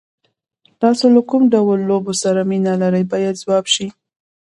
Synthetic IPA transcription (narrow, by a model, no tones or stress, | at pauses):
t̪ɑsolakumɖawəlːobosaɾaminalaɾəjbɑjad̪zwɑbʃi